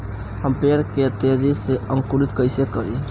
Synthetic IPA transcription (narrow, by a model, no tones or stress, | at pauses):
həmpeɾkeət̪jad͡ʒiseə̃ŋkuɾit̪kəɪsekəɾi